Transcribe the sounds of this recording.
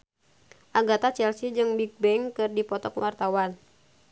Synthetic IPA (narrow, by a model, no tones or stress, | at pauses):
ʔaŋɡɔt̪at͡ʃɛlsid͡ʒɨŋbik̚bɛŋkɨrdipɔt̪ɔkwart̪awan